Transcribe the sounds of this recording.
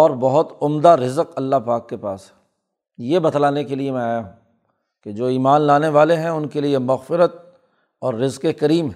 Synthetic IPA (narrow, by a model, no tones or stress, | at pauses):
ɔːɾbɐɦʊt̪ʊmd̪aɾɪzəqɐlːaɦpaːkːepaːsɦɛ̥ | jebɐt̪laːnekeliemɛ̃aːjaɦũː | ked͡ʒoːiːmaːnlaːneʋaːleɦɛ̃ʊnkeliemɐɣfɪɾət̪̚ | ɔːɾːɪzqekɐɾiːmɦ